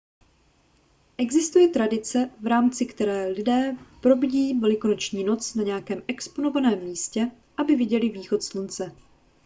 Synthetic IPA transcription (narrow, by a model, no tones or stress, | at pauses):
ʔɛɡzɪst̪ujɛt̪ɾadɪt͡sɛvɾaːmt͡sɪkt̪ɛɾɛːlɪdɛːpɾo̞bɪɟiːvɛlɪko̞no̞t͡ʃɲiːno̞t͡snaɲɛjakɛːmʔɛkspono̞vanɛːmːiːscɛ | ʔabɪvɪɟɛlɪviːxo̞t̪slunt͡sɛ